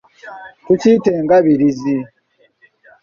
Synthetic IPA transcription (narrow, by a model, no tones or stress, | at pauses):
tutiːteːŋɡaβiɾizi